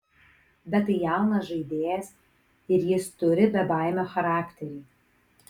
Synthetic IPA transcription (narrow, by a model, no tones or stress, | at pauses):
b̪ʲɛt̪ɐjæˑʊnɐsʒɐɪd̪ʲeːjɛs | ɪɾjɪst̪ʊɾʲɪbʲɛbɑˑɪmʲoxɐɾɑːkt̪ʲɛɾʲiː